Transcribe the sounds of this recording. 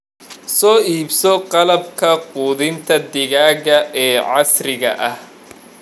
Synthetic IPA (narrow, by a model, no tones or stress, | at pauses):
sɔːiːbsɔqɑlɐbkʰɐquːðɪnt̪ʰɐd̪ɪɣaːɣɐʔɛːʕɑsrɪɣɐ̰ʔɐh